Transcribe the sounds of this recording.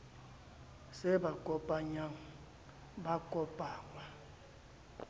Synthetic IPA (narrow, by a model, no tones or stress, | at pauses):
sɛbakʼɔpʼaɲaŋ̩ | bakʼɔpʼaːŋwa